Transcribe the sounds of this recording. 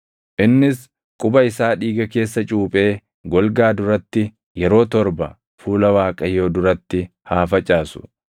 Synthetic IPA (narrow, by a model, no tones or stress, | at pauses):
ʔɪnːɪs | kʼʊbɐɪsaːᶑiːɡɐke̞ːsːɐt͡ʃʼuːpʼe̞ː | ɡɔlɡaːd̪ʊɾɐt̪ːɪ | jɛɾo̞ːt̪ɔɾbɐ | fuːlɐwaːkʼɐjo̞ːd̪ʊɾɐt̪ːɪ | haːfɐt͡ʃʼaːsʊ̥